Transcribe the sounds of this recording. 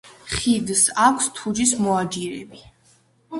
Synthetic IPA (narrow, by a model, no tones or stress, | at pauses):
χid̪sakʷʰst̪ʰud͡ʒismɔad͡ʒiɾɛbi